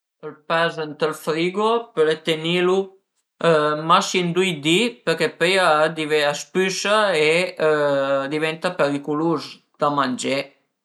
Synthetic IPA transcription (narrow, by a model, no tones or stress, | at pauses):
əlpɛzənt̪əlfɾiɡopəlet̪enilu | masind̪ujd̪ipəɾkepøjad̪iveaspysae | d̪ivɛnt̪apeɾikuluz | d̪̥amand͡ʒe